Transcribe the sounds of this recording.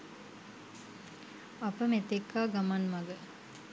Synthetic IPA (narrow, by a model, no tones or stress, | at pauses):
apəmet̪ekːaːɡamanmaɡə